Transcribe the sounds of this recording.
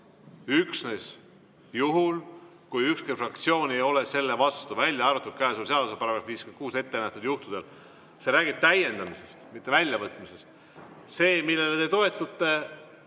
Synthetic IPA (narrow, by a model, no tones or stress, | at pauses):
yksne̞s | juɦul | kujykskejfrɑkt̪sio̞ːnʲejo̞le̞se̞lːe̞vɑst̪uvælʲjɑɑɾut̪ːˑut̪kæːsulseɑlvsɑpɑɾɑɡ̥ɾɑfviːskymen̚kuːse̞t̪ːe̞næht̪ud̪̥juht̪ud̪̥e̞l | se̞ɾæːɡib̥̚t̪æje̞nd̪ɑmise̞st̪mit̪ːe̞vælʲjɑvɤt̪ːˑmise̞st̪ | se̞ːmilːe̞let̪et̪o̞e̞t̪ːˑut̪ːe̞